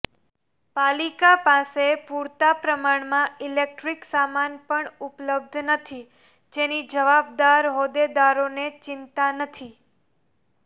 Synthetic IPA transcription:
palikapãsepuɾt̪apɾəmaɳmãɪlek̚ʈɾiksamanpəɳʊpləb̚d̪ʱnət̪ʰi | d͡ʒenid͡ʒəʋab̚d̪aɾɦod̪ed̪aɾonet͡ʃɪnt̪anət̪ʰi

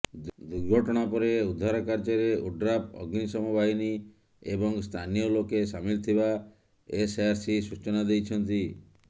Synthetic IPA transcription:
d̪uɾɡʱɔʈɔɽ̃apɔɾeud̪ʱːaɾakaɾd͡ʒɔɾeuɖɾapɔ̰ɡnisɔmubaɦini | ebɔŋst̪ʰanijɔlokesamilt̪ʰiba | eseaɾsisut͡ʃɔnad̪ejt͡ʃʰɔnt̪i

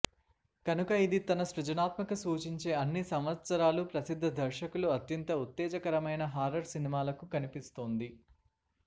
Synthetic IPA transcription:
kɐnukɐid̪it̪ɐnɐʃɾud͡ʒɐnaːt̪mɐkɐsuːt͡ʃiɲt͡ʃe̞ːɐnːisɐmʋɐt̪sɐɾaːlupɾɐsid̪ʱːɐd̪ʱɐɾʃɐkuluɐt̪jɐnt̪ɐut̪ːɛːd͡ʒɐkɐɾɐmɐjnɐɦaːɾɐɾsinimaːlɐkukɐnipist̪oːnd̪i

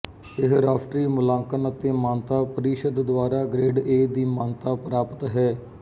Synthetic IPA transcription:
ɪɦɾaːfʰʈɾiːmʊlãːŋkənət̪eːmãːnt̪aːpəɾiːʃəd̪d̪ʊʋaːɾaːɡɾeːɖeːd̪iːmãːnt̪aːpɾaːpə̥t̪ɦɛː

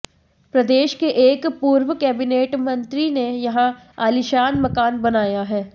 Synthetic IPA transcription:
pɾɐd̪eːʃkeʔːkpuːɾʋəkɛːbɪneːʈmɐ̃nt̪ɾinejɐɦã | aːlɪʃaːnmɐkaːnbɐnaːjaɦɛː

